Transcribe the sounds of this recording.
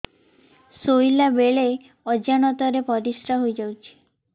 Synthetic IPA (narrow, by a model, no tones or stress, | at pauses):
sojlabeɭe | ɔd͡ʒañɔt̪ɔɾepɔɾisʈaɦojd͡ʒawt͡ʃʰi̥